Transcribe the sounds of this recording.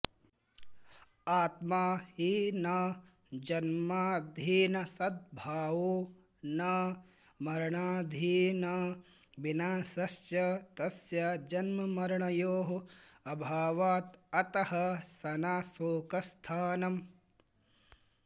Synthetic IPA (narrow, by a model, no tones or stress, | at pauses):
aːt̪maːhinɐ | d͡ʒɐnmaːd̪ʱiːnɐsɐd̪̚bʱaːʋu | nɐ | mɐɾɐɳaːd̪ʱiːnɐ | binaːsɐsjɐt̪ɐsjɐd͡ʒɐnmɐmɐɾɐɳɐjoːɦɐɐbʱaːʋaːt̪ɐt̪ɐhɐsɐnaːsoːkɐst̪ʰaːnɐm